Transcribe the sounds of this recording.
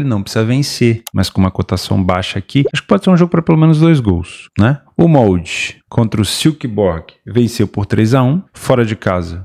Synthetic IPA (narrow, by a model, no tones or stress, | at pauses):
lɪnɐ̃w̃psizɐvẽsemɐskõũmɐkot̪asɐ̰̃w̃baʃɐakiaʃkɪ̥pɔd͡ʒɪseɾũʒoɡʊpɾɐpelomẽnʊzd̪ojzɡowsnɛ | ʊmɔwd͡ʒɪkʰõnt̪ɾʊsiwkɪbɔɾɡɪvẽsewpoɾt̪ɾejzaũfɔɾɐd͡ʒɪkazɐ